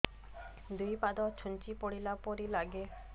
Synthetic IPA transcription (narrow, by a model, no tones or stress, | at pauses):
d̪ujpad̪ɔt͡ɕʰunt͡ɕipoɽilapoɾilaɡe